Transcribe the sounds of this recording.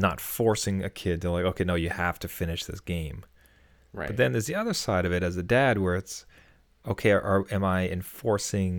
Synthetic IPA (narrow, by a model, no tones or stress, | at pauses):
nə̰tfɔɹsɪ̃ŋɨkʰɪd̚tʰəlaɪkoʊkʰeɪnoʊjɨhæftʰɨfɪ̃nɨʃðɪ̰sɡ̥ẽɪ̃m | bʌt̪̚ðɨ̃nðə˞zðiʌðə˞saɪɾʌvɨɾɨzɨdæd̚wə˞ɨts | oʊkʰeɪʔə˞ɨ̃maɪɨ̰̃ɱfɔɹsɪ̃ŋ